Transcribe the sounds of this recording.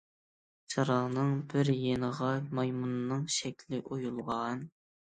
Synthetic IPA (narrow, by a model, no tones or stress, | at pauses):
t͡ʃʰɑɾɑʁnɨŋbɪɾjenəʁɑmɑjmunɨnɨŋʃɛkʲʰlɪʔojulˠʁɑn